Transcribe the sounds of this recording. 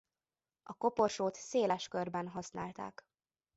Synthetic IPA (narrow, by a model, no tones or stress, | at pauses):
ɒko̞po̞rʃoːt̪seːlɛʃkørbɛnɦɒsnaːlt̪a̰ːk